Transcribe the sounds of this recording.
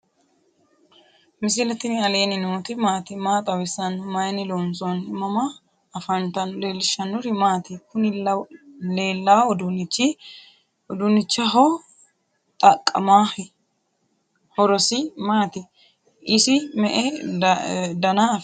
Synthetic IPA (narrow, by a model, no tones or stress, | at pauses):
mɪs̬ɪlɛt̪ɪnɪɐle̞ːnɪnoːt̪ɪmaːt̪ɪmaːt̪ʼɐwɪsɐnmɐjnɪlonsɔnmɐmɐː | fɐnt̪ɐnle̞ːlːɪʃːɐnːʊɾɪmaːt̪ɪkʊnɪlɐleːlːawɔd̪unɪt͡ʃːɪ | ɔd̪ʊnːɪt͡ʃːɐɦɔ | t̪ʼɐkʼːɐmaːhɪ | hɔɾɔsɪmaːt̪ɪ | ɪsɪmɛʔɛ | d̪ɐnaf